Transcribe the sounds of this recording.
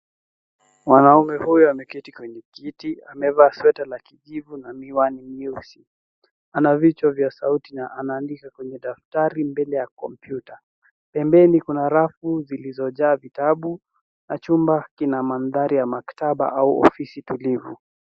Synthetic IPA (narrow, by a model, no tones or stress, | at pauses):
wanaumɛhujɔamɛkitikwɛɲɛkitiamɛvaːswɛtalakiʄivunamiwanimisi | anavit͡ʃwavjasautinaʔanaːndikakwɛɲɛɗaftaɾimbɛlɛjakɔmpjuta | pɛmbɛnikunaɾafuzilizɔʄaːvitaɓu | nat͡ʃumbakinamanðaɾijamaktaɓa̰ʔauɔ̰fisitulivṵ